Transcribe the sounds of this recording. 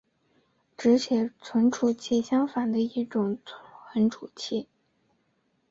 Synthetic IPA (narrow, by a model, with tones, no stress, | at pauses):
ʈ͡ʂɻ̩˧˥ɕjɛ˨˩t͡sʰwə˧˥nʈ͡ʂʰu˨˩t͡ɕʰi˥˩ɕjɑ˥ŋfa˨˩nd̪ə˦i˥˩ʈ͡ʂʊ˨˩˦ŋt͡sʰə˧˥nʈ͡ʂʰu˨˩t͡ɕʰi˥˩